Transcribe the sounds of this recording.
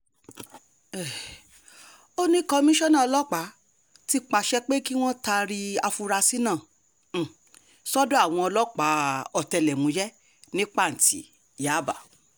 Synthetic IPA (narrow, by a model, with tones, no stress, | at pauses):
ɛ˨ | o˦nĩ˦kɔ˧mĩ˦ʃɔ˦nã˦˨ɔ˧lɔ˦k͡pa˨˦ | ti˦k͡pa˧ʃɛ˦k͡pe˦ki˦w̃ɔ̃˦ta˧ɾi˧a˧fu˧ɾa˧si˦nãː˦˨ | sɔ˦dõ˦a˦˨w̃ɔ̃˧ɔ˧lɔ˦k͡pa˨˦ɔ˨tɛ˧lɛ˨mũ˨˦jɛ˦ | nĩ˦k͡pa˦˨n̩˨tḭ˨ | ja˨˦ba˦˨